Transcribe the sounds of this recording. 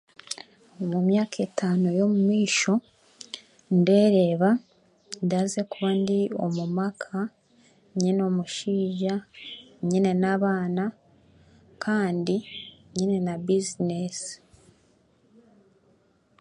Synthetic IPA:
omumjaːkʰe̞tʰaːnojo̞mumiːʃo̞ | nde̞ːɾe̞ːβa | ndaze̞kuβandio̞̰mumakʰa | ɲino̞ːmuʃiːʒaɲine̞naβaːna | kʰaːndiɲine̞nabizines

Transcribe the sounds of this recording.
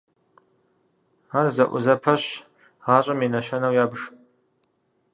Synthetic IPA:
arzɐʔʷʊ̰zɐpʰɐɕ | ʁɑːɕʼɐminɐʃɐnɐwjaːbɨʂ

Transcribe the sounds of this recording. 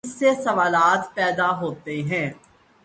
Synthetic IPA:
sːesɐʋaːlaːt̪pɛːd̪aɦoːt̪eɦɛ̃ː

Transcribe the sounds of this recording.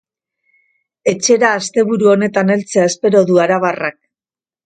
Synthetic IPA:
e̞t͡ʃe̞ɾaːst̪e̞βuɾuo̞ne̞t̪ane̞lt͡seae̞spe̞ɾo̞ðuaɾaβ̞arak̚

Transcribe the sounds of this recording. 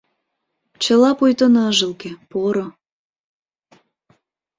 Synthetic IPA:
t͡ɕə̆lɑpojt̪onɑʒəlkepoɾo

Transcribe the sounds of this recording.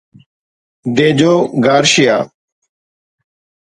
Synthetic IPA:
d̪eːd͡ʑoːɡaːɾʃɪja̰ː

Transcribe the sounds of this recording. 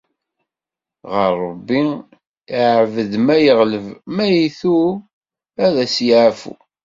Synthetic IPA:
ʁəɾˤːɑbːi | iʕvəðmæjəʁləvmæjiθu | æðæsjʕafṵ

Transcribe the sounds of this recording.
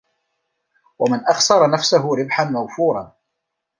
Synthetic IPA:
wamɪnʔɑxsɑɾˤɑnafsaɦʊɾɪbħanmawfuːɾˤɑn

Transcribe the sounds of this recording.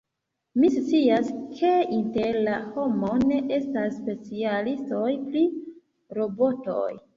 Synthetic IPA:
mist͡siaskʰe̞inte̞ɾlaho̞mo̞ne̞ʔe̞stasːpe̞t͡sialisto̞jpɾi | ɾo̞bo̞to̰j

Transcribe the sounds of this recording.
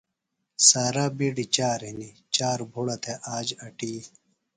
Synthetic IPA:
saːɾabiɖit͡ɕaːɾɦini | t͡ɕaːɾbʱuɽɐt̪ʰeʔaːd͡ʑɐʈiː

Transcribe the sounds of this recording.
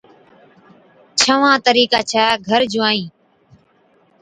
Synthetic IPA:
t͡ʃʰəʋãːt̪əɾiːkaːt͡ʃʰaːɡʱəɾd͡ʒʊaːĩː

